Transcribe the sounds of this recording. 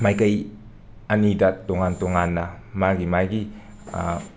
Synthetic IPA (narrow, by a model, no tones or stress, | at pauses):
majkɐj | ɐnidɐtoŋantoŋanːɐ | maɡimajɡḭ